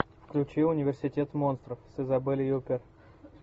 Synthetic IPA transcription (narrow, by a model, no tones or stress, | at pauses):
fklʲʉt͡ɕilˠʊnʲɪvʲɪrsʲɪtʲe̞t̪mo̞nst̪ɾəfsʲɪzɐbɨlʲɪjupʲɪr